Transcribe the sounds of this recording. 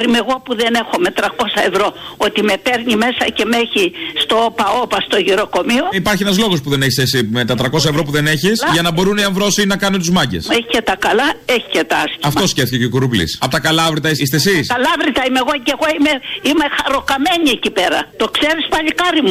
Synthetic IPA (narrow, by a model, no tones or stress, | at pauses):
ɾimeɣo̞puðene̞xome̞t̪ɾɐko̞sɐe̞vɾo̞o̞t̪ime̞peɾɲime̞sɐce̞meçist̪oopɐo̞pɐst̪oʝiɾo̞ko̞mio̞ipɐɾçienɐzlo̞ɣo̞spuðe̞neçi̥sesimet̪ɐt̪ɾɐko̞sɐevɾo̞puðe̞ne̞çisʝɐnɐbo̞ɾuniɐɱvɾo̞sinɐkɐnunt̪uzmɐɟḛseçicet̪ɐkɐlɐe̞çi̥cet̪ɐɐskiɐft̪o̞scefθicecekuɾuvlḭsɐpot̪ɐkɐlɐvɾit̪ɐiist̪esisɐlɐvɾit̪ɐimeɣo̞ceɣo̞imeime̞xɐɾo̞kɐme̞ɲiecipe̞ɾɐ̰t̪o̞kse̞ɾispɐʎikɐɾimu